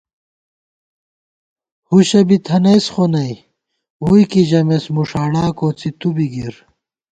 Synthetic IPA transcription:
huɕɐbit̪ʰɐnesxonɐj | ujkiʑɐmesmuʂaːɽaːkot͡sit̪ubiɡiɾ

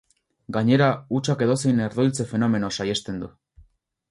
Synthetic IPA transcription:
ɡaɲe̞ɾaut͡ʃake̞ðo̞se̞jne̞ɾðojlt͡se̞fe̞no̞me̞nosajest̪e̞nd̪u

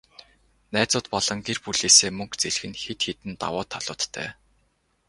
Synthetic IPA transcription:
næːt͡sʊːt̪pɔɮɞ̆ŋkerpuɮeːseːmɵŋkt͡seɮxɘ̆nxet̪xet̪ɘ̆nt̪a̰wʊːt̪ʰːaɮ̥ʊːt̪ːʰœ̰ː

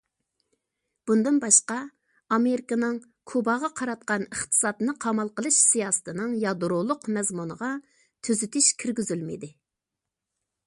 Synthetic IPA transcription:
b̥und̪ɨnbɑʃqɑ | ɑmeɾɪkɑnɨŋ | kʰubɑʁɑqʰɑɾɑt̪̚qɑnəχt̪ʰɨ̥sɑːt̪ɨnɨqʰɑmɑlˠqəlˠɨʃsijɑːsɨ̥t̪ʰɨnɨŋjɑd̪ɾʊlˠʊqmɛzmunəʁɑ | t̪ʰyzyt̪ɪʃkʲʰiɾɡʲyzylmɪ̰d̪ɪ

